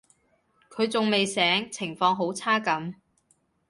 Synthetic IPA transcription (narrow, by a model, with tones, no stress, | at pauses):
kʰɵ˨˧ɥt͡sʊ˨ŋme˨jsɛː˨˥ŋt͡sʰɪ˨˩ŋfɔː˧ŋɦo˨˥wt͡sʰaː˥kɐ˨˥m